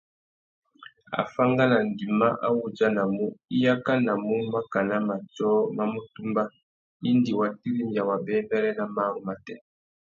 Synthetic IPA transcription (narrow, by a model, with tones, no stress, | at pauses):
a̰˨fa˦ŋɡa˦na˨ŋ˨ɡi˨ma˦ʔa̰˦wu˨d͡ʒa˦na˨mu˦i˦ja˦ka˦na˨mu˦ma˦ka˨na˦ma˨tɔ˦ma˦mo˦tu˦mba˦ | i˦ndi˨wa˨ti˦ɾi˦mja˨wa˨bɛ˦mbɛ˦lɛ˦na˨ma˦ɣɔ˨ma˨tɛ˦